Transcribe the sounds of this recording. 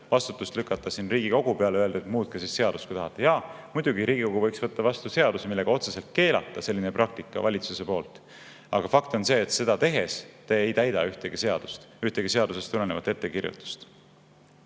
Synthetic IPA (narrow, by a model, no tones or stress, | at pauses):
vɑst̪u̥t̪ˑːust̪lykːˑɑt̪ˑːɑsinriːɡ̥iko̞ɡ̥upeɑleøeld̪et̪muːt̪̚kɑsisse̞ɑd̪̥ustkujt̪ɑɦɑt̪ːˑejɑmujd̪̥uɡiɾiːɡ̥iko̞ɡuvɤjksvɤt̪ːɑvɑst̪use̞ɑd̪usemilːe̞ɡ̥ɑo̞t̪se̞se̞lt̪̚ke̞ːlɑ̰t̪ˑːɑse̞lːineprɑk̚t̪ikːˑɑ̰vɑlʲit̪suse̞po̞ːlt̪ˑ | ɑɡ̥ɑfɑkt̪o̞nse̞ːt̪se̞d̪ɑt̪e̞ɦe̞st̪eejt̪æjd̪̥ɑyht̪eɡ̥ise̞ɑd̪̥ust̪yht̪eɡ̥ise̞ɑd̪use̞st̪ule̞nevɑt̪ːˑe̞t̪ːe̞kirjṵt̪ːˑu̥st̪